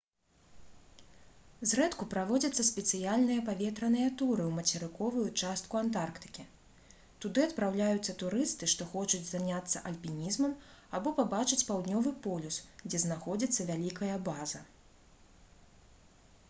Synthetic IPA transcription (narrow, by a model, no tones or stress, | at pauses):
zrɛt̪kupɾavɔd͡zʲɐt̪sːɐsʲpʲɛt̪sɨjalʲnɨjɐpavʲɛt̪ɾɐnɨjɐt̪uɾɨwmɐt͡sʲɛɾɨkɔvujut͡ʂast̪̚kuant̪arkt̪ɨ̥kʲi | t̪ud̪ɨɐt̪pɾawlʲajut̪sːɐt̪uɾɨst̪ɨʂt̪ɔxɔt͡ʂud͡zʲzanʲat̪sːɐʔɐlʲpʲinʲizmɐmabɔpabat͡ʂɨt͡sʲpawd̪nʲɔvɨpɔlʲusɡd͡zʲɛznaxɔd͡zʲit̪sːɐvʲalʲikɐjɐbazɐ